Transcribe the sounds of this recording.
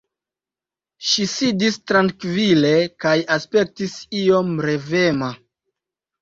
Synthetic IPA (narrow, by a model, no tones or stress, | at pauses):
ʃisidistɾaŋkvile̞kajaspe̞k̚tisio̞mɾe̞vema